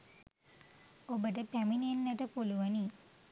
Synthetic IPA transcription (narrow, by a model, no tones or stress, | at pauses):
obəʈ̬əpæminenːəʈəpuluʋəni